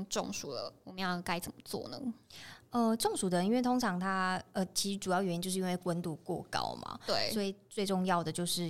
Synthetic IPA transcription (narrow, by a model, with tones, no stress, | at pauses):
ŋʈ͡ʂʊ̰˥˧ŋʂu˨˩d̪ə̰˩wmə˦jɑ˥˧˩ka˥ɪt͡sə˨˩mə˦t͡swɔ̰˥˩nə̰˦ | ə˧ʈ͡ʂŋʂu˨˩d̪ə˩i˥nwe˥˩t̪ʰo˥ŋʈ͡ʂʰɑ˧˥ŋt̪ʰa˥ə˧t͡ɕʰi˧˥ʂɻ̩˧˥ʈ͡ʂu˨˩jɑ˥˩ʊjɛ˧ni˧t͡ɕjo˥˧ʂɻ̩˥˧˥nwɪkwə˦nt̪u˥˧kwɔ̰˥˩kɑ̰˦˥ʊma̰˩t̪we˥˩ɪswɔ˧˥i˨˩t͡swe˥˧ʈ͡ʂʊ˥˧ŋjɑ˥˩ʊd̪ə˩t͡ɕjo˥˧ʊʂɻ̩˥˩